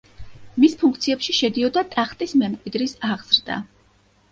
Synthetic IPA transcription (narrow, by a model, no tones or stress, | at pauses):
mispʰuŋk̚ʰt̪sʰiɛpʃiʃɛd̪iɔd̪at̪ʼaχt̪ʼismɛmkʼwid̪ɾisaʁz̥ɾd̪a̰